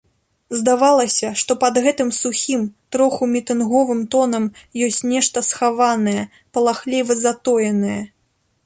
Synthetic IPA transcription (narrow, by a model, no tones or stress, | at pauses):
zd̪avalˠɐsʲɐʂt̪ɔpɐd̪ɣɛt̪ɨmsuxʲimt̪ɾɔxumʲit̪ɨnɣɔvɨmt̪ɔnɐmjɔsʲt͡sʲnʲɛʂt̪ɐsxavanɐjɛ | pɐlˠaxlʲɛvɨzat̪ɔjɐnɐjɛ